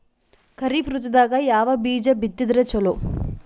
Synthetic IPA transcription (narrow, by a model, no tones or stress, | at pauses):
kɐɾifɾut̪ːɐd̪aːɡɐjaːʋɐbiːd͡ʒɐbit̪ːid̪ɾet͡ʃɔloː